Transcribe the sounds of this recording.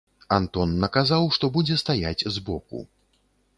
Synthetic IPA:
ant̪ɔnːɐkazawʂt̪ɔbud͡zʲɛst̪ajat͡sʲzbɔkṵ

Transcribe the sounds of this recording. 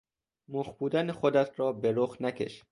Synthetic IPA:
moχbuːd̪æneχod̪æt̪ʰɾɒːbeɾoχnækʲʰḛʃ

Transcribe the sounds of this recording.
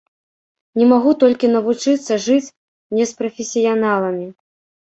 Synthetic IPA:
nʲɛmaɣut̪ɔlʲkʲinɐvut͡ʂɨt̪sːɐʐɨt͡sʲ | nʲɛspɾɐfʲesʲijanalˠɐmʲi

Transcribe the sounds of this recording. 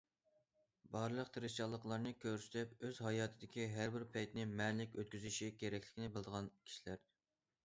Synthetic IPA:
bɑɾlˠəqt̪ʰɨɾɪʃt͡ʃɑlˠːəqlˠɑɾnɨkʲʰøɾsy̥t̪ʰɪpøzhɑjɑːt̪ʰɨd̪ɪkʲʰiɦæɾbɪɾpʰɛjt̪nɪmɛnlɪkʲøt̪̚kʲyzyʃikʲʰeɾɛkʲlʲɪkʲnɪbɪlˠd̪əʁɑnkʲʰi̥ʃilæɾ

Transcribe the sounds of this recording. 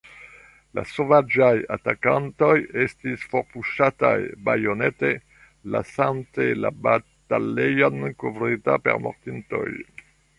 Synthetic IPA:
la̰sovad͡ʒajat̪akant̪ojɛst̪isfoʁpuʃat̪a̰jbajonɛt̪e | la̰sant̪ela̰bat̪alejankovɾit̪apɛ̰ʁmɔ̰ʁt̪int̪o̰j

